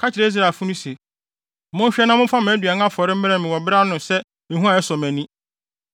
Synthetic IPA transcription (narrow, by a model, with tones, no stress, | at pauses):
kʰa˦t͡ɕʰɪ˨ɾe˨˦i˦s̬ɾa˨fũ˦nʊ̃˦se˨ | mʊ̃˦ɕᶣɛ˦nã˦m˦ʊ̃˦fa˦mɪ̃˨æ˦dɥa˨˦ŋã˦fɔ˨ɾɪ˦m̩˦mɪ̃˦ɾɛ̃˦˨mɪ̃˨wɔ˨bɾa˦nʊ̃˨sɛ˦ | mɪ̃˨ɦũ˦a˨ɛ˦sɔ˨mæ̃˨nĩ˦